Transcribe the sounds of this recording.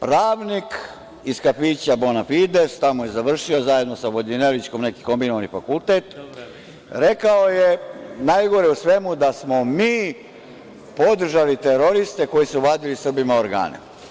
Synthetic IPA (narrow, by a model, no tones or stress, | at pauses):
pɾaːʋnik | iskafiːt͡ɕabo̞nafid̪e̞st̪amoje̞zaʋr̩ʃio̞zajed̪no̞saʋod̪inelit͡ʃko̞mne̞ki̥ko̞mbinoʋanifakult̪eːt̪ | ɾe̞kao̞jenajɡo̞ɾeusʋe̞mud̪asmo̞miː | po̞d̪r̩ʒalit̪eɾo̞ɾist̪e̞ko̞jisuʋaːd̪ilisr̩bimaoɾɡa̰ːnḛ